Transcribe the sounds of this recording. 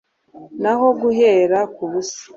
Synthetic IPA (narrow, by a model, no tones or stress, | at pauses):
naho̞ɡuɦeːɾakuβusi̥